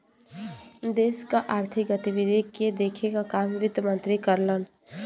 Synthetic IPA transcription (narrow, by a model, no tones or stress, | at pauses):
d̪eːskaʔaːɾt̪ʰik̚ɡət̪ibid̪ʱiked̪eːkʰekakamʋɪd̪mə̃nt̪ɾikəɾlən